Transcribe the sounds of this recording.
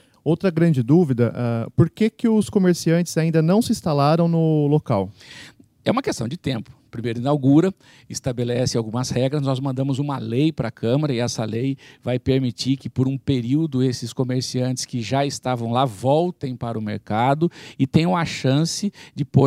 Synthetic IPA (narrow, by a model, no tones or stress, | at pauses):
owt̪ɾɐɡɾɐ̃nd͡ʒɪd̪uvid̪ɐʔɛpoɾkekɪʊskomeɾsiɐ̃nt͡ʃɪ̥z̥aĩnd̪ɐnɐ̃w̃sɪĩst̪alaɾɐ̃w̃nʊlokaw | ɛũmɐkest̪ɐ̃w̃d͡ʒɪt̪ẽmpʊ̥pɾimejɾʊĩnawɡuɾɐ | ɪst̪abelɛsɪawɡũmɐshɛɡɾɐznɔzmɐ̃nd̪ɐ̃mʊzũmɐlejpɾɐkʰɐ̃mɐɾɐɪɛsɐlejvajpeɾmit͡ʃikɪpoɾũpeɾiwd̪ʊesɪskomeɾsiɐ̃nt͡ʃɪ̥skɪʒaɪst̪avɐ̃w̃lavɔwt̪ẽj̃paɾɐʊmḛɾkad̪ʊɪt̪ẽj̃ũmɐʃɐ̃sɪd͡ʒɪpo